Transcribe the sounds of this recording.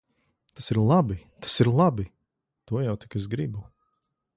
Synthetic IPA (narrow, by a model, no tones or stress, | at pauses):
t̪asiɾlˠabit̪ʰḁsiɾlˠabi | t̪uɔjawt̪i̥kɛzɡɾibu